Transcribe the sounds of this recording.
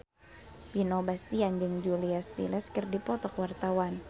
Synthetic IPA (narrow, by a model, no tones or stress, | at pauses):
pinobast̪iaɲd͡ʒəŋd͡ʒuliast̪ḭlɛskɨrdipɔt̪ɔkwart̪awan